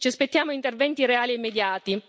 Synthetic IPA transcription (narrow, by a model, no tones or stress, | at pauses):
t͡ʃiaspet̪ːjaːmoint̪ervɛnt̪iɾeaːliemːed̪jaːt̪i